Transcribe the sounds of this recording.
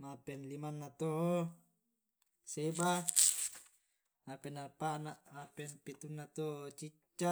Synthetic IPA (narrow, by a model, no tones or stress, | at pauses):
mapenlimanːat̪oʔo | seba | apenapaʔnaʔmapenpit̪unːat̪oʔot͡ʃit͡ʃːa